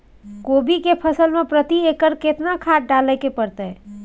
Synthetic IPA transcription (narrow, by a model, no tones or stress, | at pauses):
kobikepʰəsəlmepɾət̪iekəɾket̪nakʰaʈ̚ɖalɛkepəɾt̪ə